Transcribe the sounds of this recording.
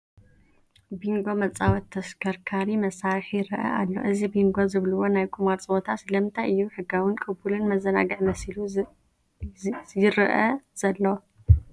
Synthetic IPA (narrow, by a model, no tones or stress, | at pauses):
biŋɡo̞mɐt͡sʼawɔt̪ʰːɐskʰɐɾkʰaɾimɐsaɾiħjɪɾɨʔɐ̰ʔa̰lːo̞̰ʔɨzibiŋɡo̞zɨβlɨwo̞najkʼʰumaɾt͡sʼbo̞t̪ʰasɨlɐmt̪ʰajʔɨjːuħɨɡawɨnkʼɨbulɨnmɐzɐna̰ɡɐʕmɐslu | jɪɾɨʔɐz̥ɐlːo